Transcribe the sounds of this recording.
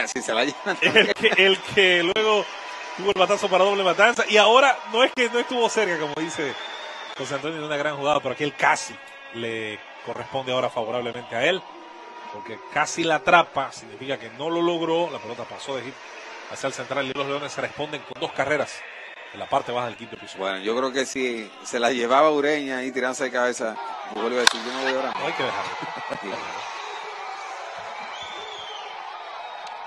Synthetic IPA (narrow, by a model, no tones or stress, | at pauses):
siseβajeelkeːlkʰelwe̞ɣo̞ | t̪uβo̞elβat̪aso̞paɾaðole̞mat̪ansaʔiao̞ɾano̞e̞ske̞no̞est̪uβo̞se̞ɾkako̞moðise̞xons̬eant̪onjiunaɣɾaŋxuɣaðopeoakielkasi | le | ko̞respo̞nd̪eao̞ɾafaβo̞ɾaβle̞ment̪e̞ae̞l | po̞ɾke̞kasilat̪ɾapasiɣnifikake̞no̞lo̞lo̞ɣɾo̞lapelot̪apaso̞ðehiɾ | a̰sialse̞nt̪ɾaliiloonesere̞spo̞nd̪e̞ŋko̞nd̪o̞skare̞ɾas | elapaɾt̪e̞βaxaðe̞lkip̪̚d̪episbwenoʝo̞kɾeokesi | se̞laʝe̞βaβauɾe̞ɲait̪̬iɾand̪oseðekaβesabuɣoliβaðesiɾʝonoβo̞jaβɾaɾmaajkeðexa̰ɾajkea̰